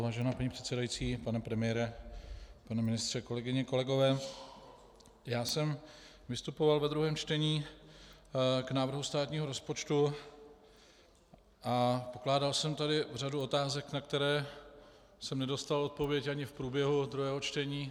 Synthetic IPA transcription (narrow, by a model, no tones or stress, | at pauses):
vaːʒɛnaːpaɲipr̝̥ɛt̪sɛdajit͡siːpanɛpɾɛmɪjɛɾɛ | panɛmɪnɪst̪r̥ɛko̞lɛɡɪɲɛko̞lɛɡo̞vɛː | jaːsɛm | vɪst̪upovalvɛd̪ɾuɦɛːmt͡ʃt̪ɛɲiː | knaːvr̩ɦust̪aːt̪ɲiːɦo̞ɾo̞spo̞t͡ʃt̪u | ʔapo̞klaːdalsɛmt̪adɪvr̝aduo̞t̪aːzɛknakt̪ɛɾɛː | sɛmnɛdo̞st̪alo̞t̪̚po̞vjɛcaɲɪfpɾuːbjɛɦud̪ɾuɦɛːɦot͡ʃt̪ɛɲiː